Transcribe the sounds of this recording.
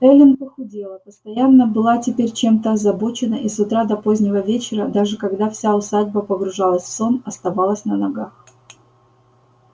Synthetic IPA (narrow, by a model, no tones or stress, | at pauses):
ɾɛlʲɪnkəxʊdʲelˠəpəst̪ɐjanːəbɨlˠatʲɪpʲeɾʲt͡ɕe̞mt̪əɐzɐbo̞t͡ɕɪnəʔisʊt̪ɾad̪ɐpo̞zʲnʲɪvəvʲet͡ɕɪɾəd̪aʐɨkɐɡd̪afsʲaʊsadʲbəpəɡɾʊʐalˠəsʲfso̞nɐst̪ɐvalˠəsʲnənɐɡax